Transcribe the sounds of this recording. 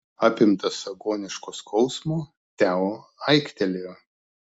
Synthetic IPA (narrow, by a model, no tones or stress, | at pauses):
ɑːpʲɪmt̪ɐsɐɡoːnʲɪʃkoːskʰɔʊsmoː | t̪ʲæːoɐɪkt̪ʲɛlʲeo